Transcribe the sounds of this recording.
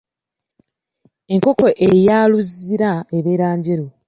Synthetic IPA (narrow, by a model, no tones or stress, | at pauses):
e̞ŋko̞ko̞ʔejaːluziɾaeβeːɾaːɲɟeɾu